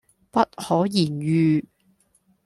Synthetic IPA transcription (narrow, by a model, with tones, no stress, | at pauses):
pɐ˥t̚hɔː˨˥jiː˨˩njyː˨˧